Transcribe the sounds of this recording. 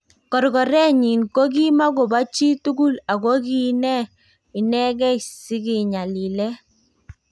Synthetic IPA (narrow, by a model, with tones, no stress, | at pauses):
kɔ˨ɾɡɔ˨ɾɛ˦ɲi˨nko˦ɡi˦ma˦ɡo˨ba˦t͡ʃi˦tu˦ɡu˦la˨ɡo˦ki˦nɛ˦ | ɪ˨nɛ˦ɡɛ˦si˦kɪ˨ɲa˨li˨lɛ˦